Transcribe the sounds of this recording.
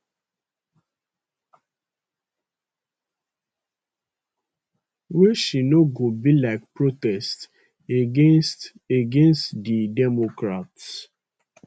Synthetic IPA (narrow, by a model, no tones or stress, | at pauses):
wɛʃinoɡobilak̚pɹotɛst | et | eɡẽnstdidɛmokɾats